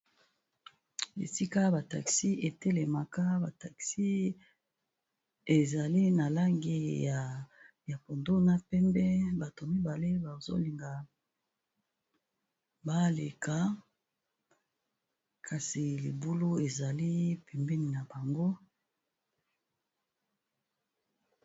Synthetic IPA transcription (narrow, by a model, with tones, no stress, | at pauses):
ḛ˨si˦ka˦ba˨ta̰˨ksi˦e˨tɛ˦le˨ma˨ka˦ba˨ta˨ksi˦ | e˨za˨li˦na˨la˦ŋɡi˦a˨ | ja˨po˨ndo˦na˦pɛ˦mbɛ˦ba˨to˨mi˦ba˨le˦ba˨zo̰˦li˨ŋɡa˨ | ba˦le˨ka˨ | kʰa˨si˨li˨bu˦lo˦e˨za˨li˦pɛ˨mbɛ˦ni˨na˨ba˨ŋɡo˦